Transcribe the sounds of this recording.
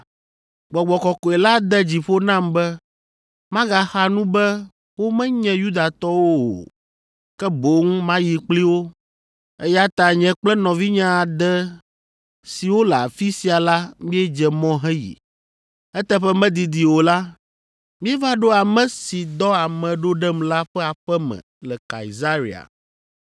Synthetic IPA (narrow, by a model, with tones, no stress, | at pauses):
ɡ͡bɔ˨ɡ͡bɔ˨kɔ˨kɔ˨ɛ˨la˦d̪ɛ˦d͡ʑi˨ɸo˦nã˦mbɛ˦ | mã˦ɡa˨xa˦nũ˦bɛ˦ | wo˦mɛ̃˦ɲɛ̃˦ju˦d̪a˨t̪ɔ˦wo˦o̰˨ | kɛ˦bo˨˦ŋ˦mã˦ji˨k͡pli˦wo˦ | ɛ˦ja˦t̪a˨ɲɛ̃˨k͡plɛ˦nɔ̃˨vi˦ɲã˦a˨d̪ɛ˦ | si˨wo˦lɛ˨a̰˨fi˦si˨a˨la˦mĩ˦ɛ˦d͡ʒɛ˨mɔ̃˦ɦɛ˦jḭ˨ | ɛ˦t̪ɛ˦ɸɛ˦mɛ̃˦d̪i˨d̪i˨wo˨la˦ | mĩ˦ɛ˦va˦ɖo˦a˨mɛ̃˨si˨d̪ɔ˦a˨mɛ̃˨ɖo˦ɖɛ˦mla˦ɸɛ˦a˨ɸɛ˦mɛ̰̃˨lɛ˨ka̰˨i˨za˦ɾḭ˨a̰˨